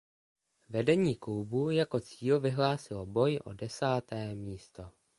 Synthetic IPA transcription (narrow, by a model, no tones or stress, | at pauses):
vɛdɛɲiːklubujako̞t͡siːlvɪɦlaːsɪlobo̞jʔo̞̰dɛsaːt̪ɛːmiːst̪o̞